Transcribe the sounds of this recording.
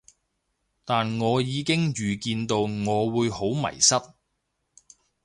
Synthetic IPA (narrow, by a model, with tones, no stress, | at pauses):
t̪aː˨nŋɔː˨˧jiː˨˧kɪ˥ŋjyː˨kiː˧nt̪o˧wŋɔː˨˧wuː˨˧jho˨˥wmɐ̰˨˩jsɐ˥t̚